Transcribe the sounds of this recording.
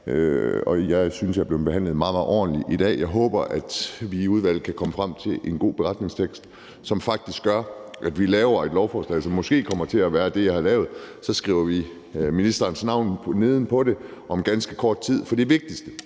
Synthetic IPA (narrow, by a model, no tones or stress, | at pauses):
ɒ̽jɑ̈ɪsynsjɑ̈b̥le̝ʊb̥e̝ɦæn̰lð̩mɑ̈ːmɑ̈ɒ̰ːn̩liʔid̥ɛ̰ːjɑ̈ɪɦɔ̽ːb̥ɐʔæd̥ʋiːuð̞ˠʋæl̰ð̩ˠkʰækʰɒ̽məfʁam̰t͡sʰe̝lʔe̝nɡ̥o̝̰ːb̥e̝ʁɑ̈d̥ne̝ŋst͡sʰeɡ̥sd̥ | sɒ̽mfɑ̈ɡ̥̚d̥isɡ̥ɶɐʔæd̥ʋilɛːʊɐe̝d̥lɒʊfɒːslɛ̰ːsɒ̽mːɒsɡ̥e̝̰ːkʰɒ̽m̰ɐt͡sʰe̝æʋæːɐd̥e̝jɑ̈ɪhɑ̈lɛːʊð̞̩ˠsɒ̽sɡ̥ʁḭːʊɐʋi | minisd̥ɐːnsnɑ̈ʊ̰nʰne̝ð̞ˠn̩pʰɒ̽ɾe̝ʔɒ̽mɡ̥ænsɡ̥əkʰɒːd̥̚t͡sʰið̰ˠfɒ̽d̥eʋe̝ɡ̥̚d̥isd̥ə